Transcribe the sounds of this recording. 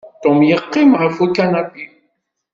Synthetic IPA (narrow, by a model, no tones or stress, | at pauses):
t̪omjəqːimʁəfukːanapi